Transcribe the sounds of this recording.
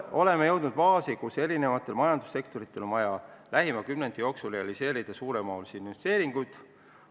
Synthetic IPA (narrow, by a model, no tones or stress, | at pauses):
o̞le̞mejɤ̞wd̪nud̪̥vɑːsikuse̞ɾine̞vɑt̪ːˑe̞lmɑjɑnd̪̥u̥sːe̞kt̪o̞ɾit̪ˑːe̞lo̞nvɑjɑlæɦimɑkymnend̪ijo̞ːksulreɑlise̞ːɾid̪̥ɑsuːɾe̞mɑːlsinːest̪e̞ːɾiŋɡ̥ut̪